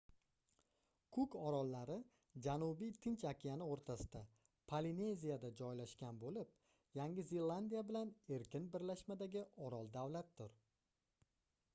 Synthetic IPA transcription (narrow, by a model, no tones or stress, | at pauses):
kʰʊkɒɾɒlˠːaɾɪ | d͡ʒanʊbijt̪ʰɪnt͡ʃakʲʰijanɪoɾt̪ʰasɪ̥d̪a | pʰaline̞zijad̪ad͡ʒɒjlaʃkʲanbolɪp̚ | jaŋɡʲɪzelˠːand̪ijabɪlane̞ɾkʲʰɪnbɪɾlaʃmad̪aɡʲɪʔɒɾɒlˠd̪awlat̪̚d̪ʊɾ